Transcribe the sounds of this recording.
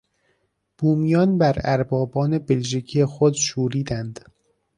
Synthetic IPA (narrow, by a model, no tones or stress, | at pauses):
b̥uːmijɒːnbæɾæ̰ɾbɒːbɒːnebelʒicʰiexod̪ʃuːɾiːd̪ænd̪̥